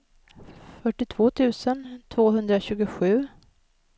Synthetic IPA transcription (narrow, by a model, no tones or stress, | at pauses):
fœʈːɪt̪ʰv̥oːt̪ʰʉ̟ːsənt̪ʰvoːɦɵnd̪ɾaɕʉ̟ːɡʊɧʉ̟ː